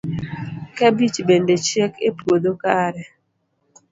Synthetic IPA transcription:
kɛbit͡ʃbendet͡ʃekepod̪okaɾɛ

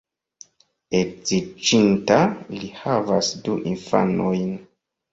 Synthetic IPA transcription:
ezit͡ʃintalihavasduʔinfa̰no̞jn

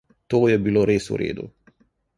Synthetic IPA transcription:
t̪oːjɛbiloːɾeːsṵɾḛːd̪ṵ

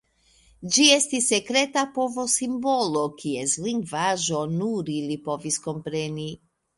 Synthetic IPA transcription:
d͡ʒie̞stisːe̞kɾe̞tapo̞vo̞simbo̞lokiesliŋɡvaʒo̞nuɾilipo̞visko̞mpɾe̞ni

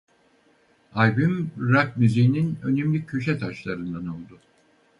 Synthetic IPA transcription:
ajbymɾap̚myzijninø̞nemlʲycʰø̞ʃɛt̪ʰaʃlˠaɾɯnd̪ano̞lˠd̪ʊ

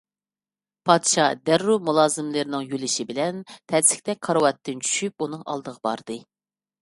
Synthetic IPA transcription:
pʰɑd̪ʃɑd̪æɾːumulˠɑːzɨmlɨɾɪnɨŋjølɪʃibɪlɛnt̪ʰɛsɪ̥kʲt̪ɛk̚ʲqʰɑɾwɑt̪ːɪnt͡ʃʰy̥ʃyp̚unɨŋɑ̰lˠd̪əʁəbɑ̰ɾd̪̥ɨ

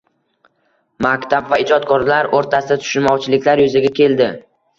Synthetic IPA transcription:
makʲt̪ʰabvaɪd͡ʒɒt̪̚kʰɒɾlaɾoɾt̪ʰasɪd̪at̪ʰʊ̥ʃɪnmɒwt͡ʃʰɪlɪkʲlaɾjʊzɪɡʲakʲʰe̞ld̪ɪ

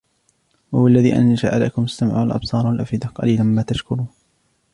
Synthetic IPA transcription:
wʊwalːaðiːʔa̰nʃa̰ːʔala̰kʊmʊst̪amɪ̰ʕṵːalʔɑ̰bsˤɑːɾˤwalʔa̰fɪd̪aqɑ̰liːlanmaːt̪aʃkʊɾuː

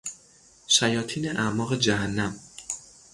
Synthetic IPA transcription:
ʃæjɒːt̪ʰiːneʔæʔmɒːɣed͡ʒæɦænːæm

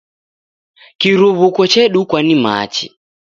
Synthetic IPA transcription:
kiɾuβukɔt͡ʃɛɗukwanima̰t͡ʃḭ

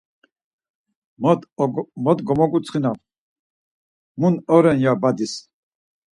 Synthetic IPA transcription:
m | mɔt̪ɡɔmɔkʼut͡sʰχinav | munɔɾɛnjabad̪is

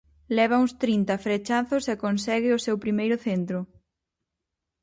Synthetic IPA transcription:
lɛβ̞ɐust̪ɾint̪ɐfɾet͡ʃaθʊsɛkonsɛɣɪʊsewpɾimejɾʊθent̪ɾʊ

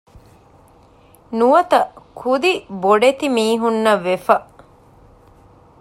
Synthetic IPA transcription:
nuʋɐt̪ɐkʰud̪iboɖet̪imiːɦunːɐʋefɐʔ

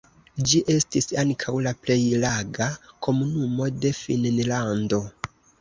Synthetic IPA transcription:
d͡ʒiʔe̞stisaŋkʰawlaple̞jlaɡakʰo̞munumo̞de̞finnlando̞

